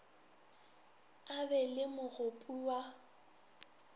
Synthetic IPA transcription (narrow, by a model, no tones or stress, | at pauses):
abɛlɪmʊɣʊpʼuwa